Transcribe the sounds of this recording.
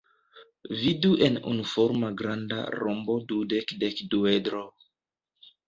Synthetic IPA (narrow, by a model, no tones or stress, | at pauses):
viduʔe̞nṵnufoɾmaɡɾanda̰ɾombo̞dudekdekduedɾo